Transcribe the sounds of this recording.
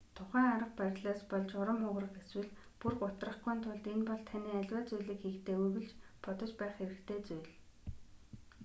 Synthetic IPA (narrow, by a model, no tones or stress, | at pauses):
t̪ʰʊχæːŋaɾə̆q̚pæɾʲɮaːspɔɮt͡ɕʊɾə̆mχʊʁrə̆qeswɘ̆ɮ | purkʊt̪rə̆χɡujːnt̪ʰʊɮt̪enpɔɮt̪ʰaniːæɮʲwaːt͡sujɮiːkxiːkt̪ʰeːuɣɘ̆ɮt͡ɕpɔt̪ɞ̆t͡ɕpæːχxeɾɘ̆kt̪ʰeːt͡sujɮ